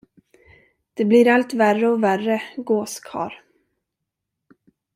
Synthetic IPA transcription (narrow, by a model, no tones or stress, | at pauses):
d̪̥ɛblɪɾalt̪værəɔværəɡoːskʰɑ̰ːɾ